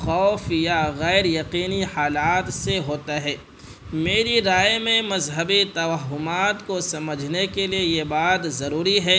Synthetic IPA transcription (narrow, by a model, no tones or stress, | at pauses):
xɔːfjaɣɛːɾjɐqiːnihaːlaːt̪seɦoːt̪aɦɛː | meːɾiɾaːjmẽmɐzɦəbit̪ɐʋaɦːʊmaːt̪kosɐməd͡ʒʱnekeliejebaːd̪zɐɾuːɾiɦɛː